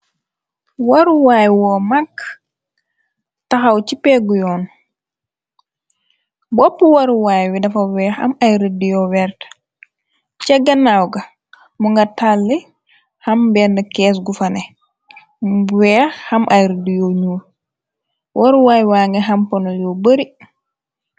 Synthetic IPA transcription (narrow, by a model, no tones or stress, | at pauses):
wɐɾuwajwɔːmakː | tɐxɐwt͡ʃipɛɡujɔːn | bɔpːuwɐɾuwaːjwidɐfɐwɛːxɐ̰majɾədijɔwɛɾt | t͡ʃɛɡːɐnawɡɐ | muŋɡɐtalːi | hɐmbɛndɐkɛːs̬ɡufɐnɛ | wɛːxhɐmʔajɾidijɔɲuːl | wʔɔɾwaːjwaːŋɡɐɦɐmpɐnojɔbəɾi